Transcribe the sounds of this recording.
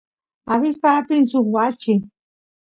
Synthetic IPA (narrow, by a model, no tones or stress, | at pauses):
aβɪspapinsʊkwat͡ʃi